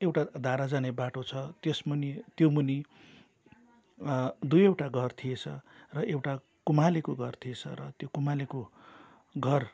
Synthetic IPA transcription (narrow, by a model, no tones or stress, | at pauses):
ewʈad̪ʱaɾad͡zanebaʈot͡sʰʌt̪jesmʌnit̪jomuni | d̪ujewʈaɡʱʌrt̪ʰijet͡sʰʌrʌʔewʈa | kumalekoɡʱʌrt̪ʰiet͡sʰʌ̰ɾʌt̪jokumaleko | ɡʱʌr